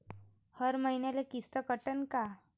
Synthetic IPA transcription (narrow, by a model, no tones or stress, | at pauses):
həɾməinjalekist̪əkəʈənka